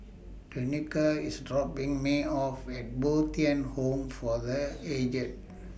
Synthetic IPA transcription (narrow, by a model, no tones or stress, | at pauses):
tunikəisdɹɔpĩŋmeɔfɛt̚bot̪iɛ̃nhõmfɔðəed͡ʒə̃nt̚